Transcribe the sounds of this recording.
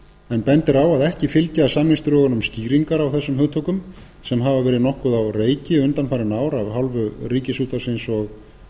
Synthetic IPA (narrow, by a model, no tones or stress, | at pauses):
ɛnpɛnt̪ɪɾaːwaðɛhcɪfɪlcaasamnɪst̪ɾʏɣɔnʏmsciːɾiŋkaɾawθɛsːʏmhʏt̪ʰɔkʏm | sɛmɦavavɛːɾɪðnɔhkʏðawreːjcɪʏnt̪anfaːɾɪnaːwɾavɦawlvʏriːcɪsuːt̪aɾ̥sɪnsɔɣ